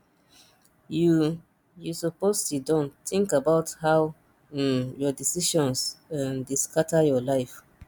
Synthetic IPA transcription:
ju | jusɔpostudɔ̃nt̪ĩŋkabaʊthaʊ | jɔdisiʃɔ̃nsãndiskʰatʰajɔlaɪf

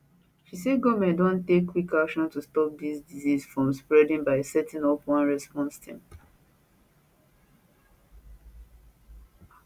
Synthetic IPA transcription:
ʃiseɡɔmɛ̃ndõntekːwikakʃɔ̃ntustɔp̚d̪isdizisfɹɔ̃mspɹɛdĩŋbaɪsɛtĩnɔpwɔ̃nɹɛspɔ̃nstʰĩm

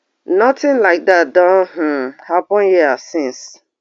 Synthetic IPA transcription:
nɔtɪ̃nlaɪk̚dat̚dɔ̃nhm̩hapɔ̃njiasɪ̃ns

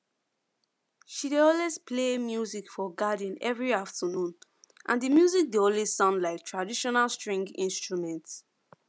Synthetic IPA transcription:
ʃideɔlwesplemjuzikfɔɡadĩnɛvɹiaftʰənũn | ʔã̰ndimjuzik̚diõnlessɔ̃nlaɪk̚tʰɹadiʃɔnalstɹĩŋɡḭ̃nstɹumɛ̃nts

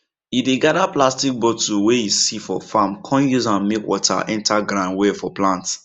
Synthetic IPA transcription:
ideɡadaplastik̚bɔtuwejisifɔ̰famkʰɔ̃njuzãnmekwɔtʰa̰ʔɛ̃ntaɡɾãndwɛfɔplãnts

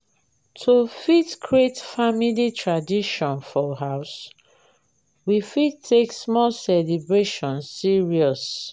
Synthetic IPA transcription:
tʰofitkʰɹietfamilitʰɹadiʃɔ̃nfɔɦaʊs | wifitʰeksmɔlsɛlibɹeʃɔ̃nsiɹiɔs

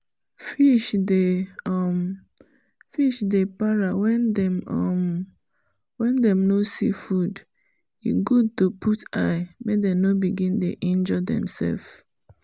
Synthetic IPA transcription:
fiʃdeɔm | fiʃdepaɹawɛndɛmɔm | wɛ̃ndɛ̃mnosḭfud | ḭɡud̚topʰutaɪmedɛnobiɡĩndeʔĩnd͡ʒɔdɛ̰̃msɛ̰lf

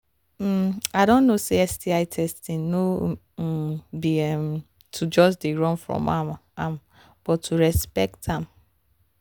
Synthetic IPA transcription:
m̩aɪdõnːoseɛsdiaɪtʰɛstĩnno | biɛm | tʰud͡ʒɔsdeɹɔ̃nfɹɔ̰̃mamam | b̥ɔtʰːuɹɛspɛktʰãm

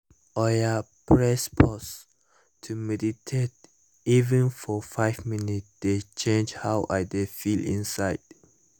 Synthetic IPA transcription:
ɔjapʰɹɛspʰɔs | tʰumɛditʰet | ivɛ̃nfɔfaɪvminitd̥et͡ʃʰẽnd͡ʒhawʔa̰ɪdefilḭ̃nsaɪd̥

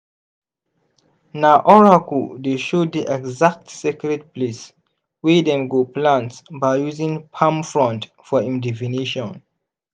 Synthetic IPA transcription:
naʔɔɹakudeʃoddiʔɛɡzak̚tsekɹɛd̚ples | widɛ̃mɡoplãntsbaɪjuzĩŋpʰãmfɹɔ̃nt | fɔĩndɛfiniʃɔ̃n

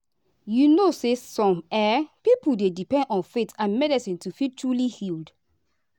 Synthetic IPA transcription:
junosesɔ̃mɛpipuldedipɛ̃ndɔ̃nfetãnmɛdisĩntufitulihild

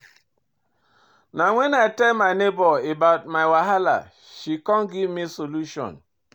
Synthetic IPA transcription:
naŋʷenaetemaɪnebɔebaʊt̚maɪwaɦala̰ | ʃikɔŋɡivmisoluʃɔ̰̃n

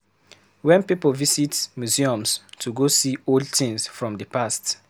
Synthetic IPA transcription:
wɛ̃npipəlvisitsmjuziɔ̃mstʰuɡosioldtĩŋsfɹɔ̃mdəpast

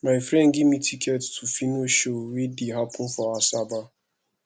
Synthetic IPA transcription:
maɪfɾɛ̃nɡɪmitʰikɛttʰufinoʃowediɦapʰʊfɔasaba

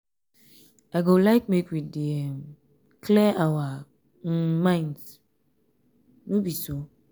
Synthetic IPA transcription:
aɪɡolaɪk̚mekwidiɛm | kʰlɛʔawa | mãɪ̃nds | nobiso

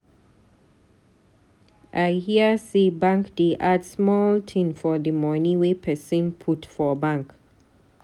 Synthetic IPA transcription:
ʔajhiəsibãŋkdeʔadsmɔltʰĩnfɔdəmɔnĩwepʰɛsĩnpʰutfɔbãŋk

